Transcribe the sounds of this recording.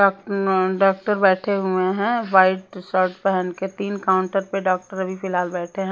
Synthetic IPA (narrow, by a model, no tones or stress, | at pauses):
ɖaːk̚ʈəɾbɛːʈʰeɦʊeɦɛ̃ʋaːɪʈsəɾʈpɛɦənket̪iːnkaːʊ̃ɳʈəɾpeɖaːk̚ʈəɾɐbʱipɪlaːlbɛːʈʰeɦɛ̃